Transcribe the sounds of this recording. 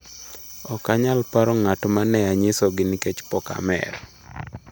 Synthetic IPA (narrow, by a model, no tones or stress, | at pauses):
ɔkaɲalpaɾɔŋatmanɛaɲɪsɔɡɪnɪket͡ʃpɔka̰mɛ̰r